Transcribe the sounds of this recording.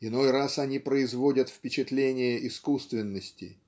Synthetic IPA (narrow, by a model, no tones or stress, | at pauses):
ɪno̞jrasɐnʲipɾəɪzvo̞dʲət̪fpʲɪt͡ɕɪt̪lʲenʲɪjəʔɪskust̪vʲɪnːəsʲtʲɪ̰